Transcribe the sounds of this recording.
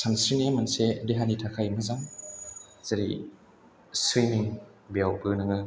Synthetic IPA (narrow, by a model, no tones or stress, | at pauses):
samsɾinamansedeɦanitʰakʰajmɐzaŋ | z̥aɾḭ | sɾimiŋ | bejawbɯnɯŋɯ